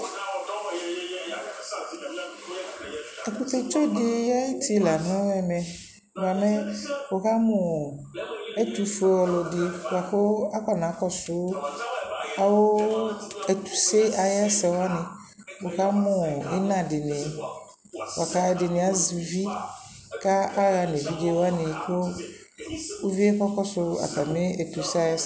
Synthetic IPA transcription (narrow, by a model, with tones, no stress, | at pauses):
ɛ˨ku˦t̪e˦t͡ʃo˦dɪ˦ja˦ji˦tʰi˦˨la˨nɔ̃˦ɛ˨mɛ̃˨ | ba˨mɛ˦wo˨ka˦mʊ̃˨ | ɛ˦t̪u˨fe˨˦wɔ˨lʊ˨dɪ˨wa˨xo˦a˦ka˨nã˨˦kɔ˦sʊ˦ | a˨wo˦ | ɛ˨tu˨se˦a˨jɛ˦sɛ˨wa˦nɪ̃˨ | wo˨ka˦mʊ̃˨ɪ˦nã˨dɪ˨nɪ̃˨ | wa˨ka˦ɛ˨dɪ˨nɪ̃˨a˦zi˨vi˦ | ka˦a˦ɣa˨n˨e˨vi˦de˦wa˦nɪ̃˨ko˦ | o˦vi˦e˦kɔ˦kɔ˦sʊ˦a̰˨ta˨mɪ̃˦ɛ˨tu˨sa˦jɛ˦˨